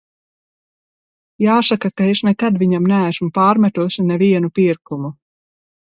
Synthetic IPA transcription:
jaːsakakaeʃnɛkad̪viɲamnææsmupaːɾmɛt̪uɔsinɛviɛnupiɾkumu

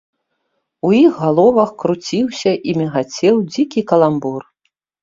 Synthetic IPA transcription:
ujixːalˠɔvɐxkɾut͡sʲiwsʲɐʔimʲɛɣat͡sʲɛwd͡zʲikʲikɐlˠambɔr

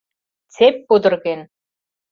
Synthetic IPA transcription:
t͡sepːud̪ɤ̆rɣen

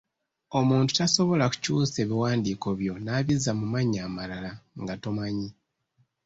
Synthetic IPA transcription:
o̞muːntu̥taso̞βo̞laku̥cuːse̞ːβiwaːndiːko̞βjo̞naːβizamumaɲaːmalalaŋɡatomaɲi

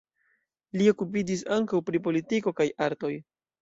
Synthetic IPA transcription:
lio̞kup̬id͡ʒis̬aŋkawpɾipo̞litiko̞kajaɾto̞j

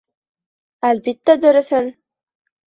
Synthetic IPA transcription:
ælbit̪ːæd̪ɵ̆ɾɵ̆θɵn

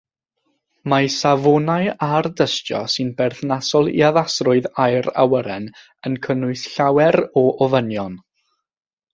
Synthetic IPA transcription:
masavɔnaɨardəstjɔ̰sɨnbɛrθnasɔlˠḭaðasrʊɨðajɾa̰wəɾɛn | ənkʰənʊɨsɬawɛɾɔʔɔvənjɔn

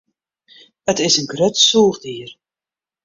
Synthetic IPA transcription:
ətɪsənɡrøtsuːrdiːər

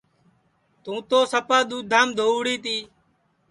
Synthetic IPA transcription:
t̪ũːt̪oːsəpaːɗ̪uːd̪ʱaːmd̪ʱoːʋɽiːt̪iː

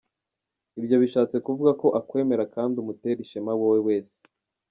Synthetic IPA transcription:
ibjo̞βiʃaːt͡se̞kuvuɡako̞ʔakwe̞ːme̞ɾakaːndiumute̞ɾiʃemawowewe̞ːse̥

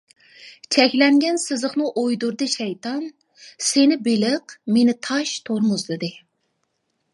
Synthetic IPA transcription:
t͡ʃʰɛkʲlɛŋɡʲɛnsɨzəχnɨʔojd̪uɾd̪ɨʃɛjt̪ʰɑn | senɪbelɪqmenɪt̪ʰɑʃt̪ʰoɾmʊzlˠɨd̪ɨ

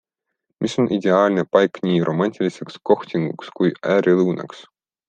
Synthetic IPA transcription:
mʔiso̞nʔid̪ʲe̞ɑːlʲnepɑjknʲiːrʔo̞̰mɑnʲt̪ʰʲilʲise̞ksko̞ht̪ʲiŋɡṵkskujæːɾʲiluwnɑ̰ks

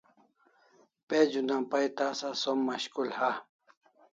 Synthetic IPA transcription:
ped͡ʑunapajt̪asasomːaɕkulha

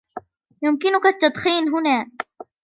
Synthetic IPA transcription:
jʊmkɪnʊkat̪ːɑt̪ˤxiːnɦʊnaː

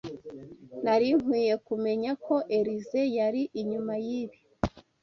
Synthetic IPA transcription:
naɾim̥wiːje̞kume̞ɲako̞ʔe̞ɾize̞jaɾiʔiɲumajiβi

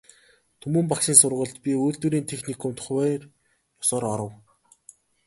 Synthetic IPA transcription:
t̪ʰɵmuːmpakʃiːnsʊrʁə̆ɮt̪pʲiujɮt̪wŭɾiːnt̪ʰexnikʰɔmt̪χwæːr | jɔsɔːɾɔɾə̆w

